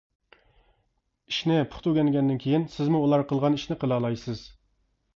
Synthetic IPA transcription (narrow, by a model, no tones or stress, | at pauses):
iʃnɪpʰʊ̥χt̪ʰuɡʲɛnɡʲɛnd̪ɪnkʲʰejinsɪzmuulˠɑɾqʰəlˠʁɑniʃnɪqʰəlˠɑːlˠɑjsɨz̥